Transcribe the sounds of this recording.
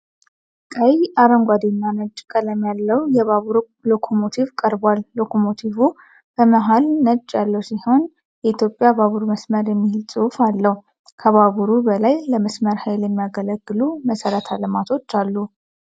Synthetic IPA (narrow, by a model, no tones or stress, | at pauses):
kʼəjʔaɾəŋɡʷad̪enːanəd͡ʒʼːkʼələmjalːəwjɛβaβuɾ | lo̞kʰo̞mo̞t̪ʰivkʼəɾbwalːo̞kʰo̞mo̞t̪ʰivu | b̥əməɦalnəd͡ʒʼjalːəwsiho̞n | jɛit̪jo̞pʼjabaβuɾməsməɾjɛmːihɪlsʼufalːəhu | kʰəβaβuɾubəlajləməsməɾhajljɛmːijaɡələɡːɨluməsəɾət̪ʰaləmat̪ʰo̞t͡ʃːalːu